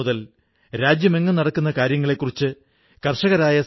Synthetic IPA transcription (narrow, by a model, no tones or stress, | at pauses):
uðɐl | ɾaːd͡ʑjɐme̞ŋːɨnɐɽɐkːunːɐkaːɾjɐŋːɐɭe̞kːurit͡ɕːɨ | kɐrʂɐɣɐɾaːjɐ